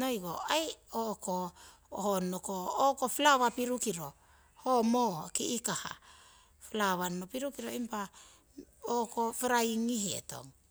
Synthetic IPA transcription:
nojɡoajoko | honokoːkoflaβapiɾukiɾo̞ | homokiʔikaha̰ | flaβanmopiɾukiɾoimpa | okofeɾajŋihḛto̰ŋ

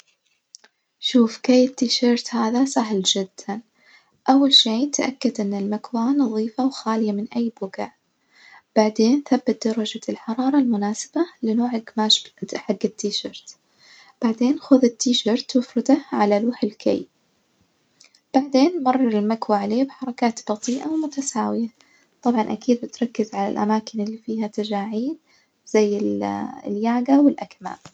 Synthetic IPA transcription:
ʃuːfkeːjːɪt̪ːiːʃɑɾˤt̪haːðasaɦld͡ʒɪd̪̥ːan | ʔawːalʃeːt̪ʔakːad̪ʔɪnːɪlmakwanɑðˤiːfawxaːlɪjamɪnʔajːbʊɡaʕ | b̥aʕd̪eːnθabːat̪̚d̪ɑɾˤɑd͡ʒalħɑɾˤɑːɾˤɑlmʊnaːsɪ̥balɪnoːʕɪɡmaːʃb̪ħaɡːɪt̪ʰːiːʃɑɾˤt̪ | b̥aʕd̪eːnxʊðɪt̪ːiːʃɑːɾt̪wʊfɾɪd̪aʕalaluːħɪlkʰa̰j | b̥aʕd̪eːnmɑrˤːɑɾɪlmakwaʕaleːbħɑɾˤɑkaːt̪b̥ɑt̪ˤiːʔawɪmʊt̪asaːwɪja | t̪ˤɑbʕɑnʔakiːd̪̚bɪt̪ɾˤɑkːɪzʕala̰lʔa̰maːkɪnɪlːifiːhat̪ad͡ʒaːʕiːd̪ | z̥ajːɪlljaːɡawɪlʔakma̰ː

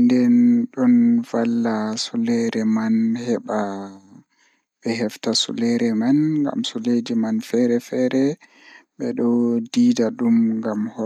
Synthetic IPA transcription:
ndɛnɗɔnvalːasulɛɾɛmanhɛɓa | ɓɛhɛftasṵlɛɾɛmanŋɡa̰msɔledimanfɛɾɛfɛɾɛ | ɓɛɗɔdiːdaɗumɡamhɔ

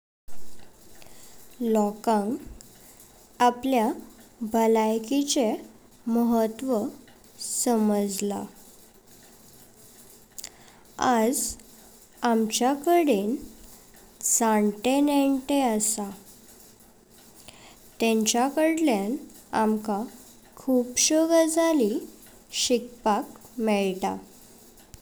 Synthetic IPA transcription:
lɔkãŋɡ | apljabʱəlajkit͡se | məɦət̪ʋə | səməd͡zla̰ | ad͡z | amt͡ɕjakəɽen | saɳʈeneɳʈeəsa | t̪ẽɲt͡ɕjakəɽljan | amka | kʰuːpɕəɡəd͡zʱali | ɕik̚pakmɛɭt̪a

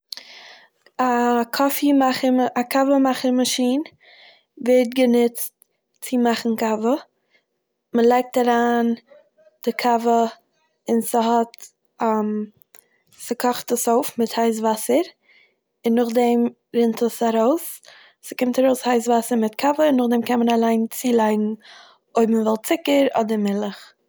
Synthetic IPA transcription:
akʰɔfimaχəakavəmaχəɾmaʃiːn | vɛɾt̚ɡənɪt͡st | t͡sɪmaχn̩kavə | məlˠaɪk̚taɾaːn | d̥ɪkʰavə | ɪnsəɦɔt | am | səkʰɔχtəsoʊfmɪthaɪs̬vasəɾ | ɪnːʊχdɛm | ɾɪntʰəsaɾoʊs | sə̥kɪmtaɾoʊshaɪs̬vasəɾmɪtkʰavəɪnːʊχdɛmkɛnmənalˠaɪnt͡siːlˠaɪɡn̩ | oɪbmvɛlˠt͡sɪkəɾɔ̰dəɾmɪlˠəχ

